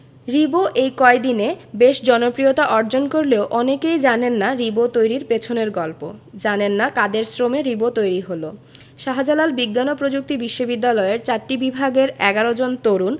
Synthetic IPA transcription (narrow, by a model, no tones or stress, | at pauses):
ɾiboʔejkɔed̪inebeʃd͡ʑɔnopɾijot̪aʔɔɾd͡ʑonkoɾleoʔɔnekejd͡ʑanenːaɾibot̪ojɾiɾpet͡ɕʰoneɾɡɔlpo̰d͡ʑanenːakad̪eɾsɾomeɾibot̪ojɾiɦolo | ʃaɦad͡ʑalalbiɡːanopɾod͡ʑuk̚t̪ibiʃːobid̪ːalɔeeɾt͡ɕaɾʈːibibʱaɡeɾɛɡaɾod͡ʑont̪oɾun